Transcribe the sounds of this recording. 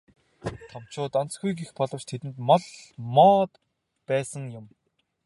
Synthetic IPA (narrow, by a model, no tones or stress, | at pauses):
t̪ʰɔm̥t͡ɕʊːt̪ant͡sɡujɡixpɔɮɞ̆w̥t͡ɕt̪ʰet̪ɘ̆nt̪mɔɮmɔːt̪ | pæːsə̆ŋjʊm